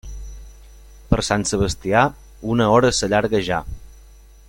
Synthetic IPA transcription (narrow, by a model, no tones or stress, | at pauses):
pəɾsansəβəst̪ia | unəɔɾəsəʎaɾɣəʒa̰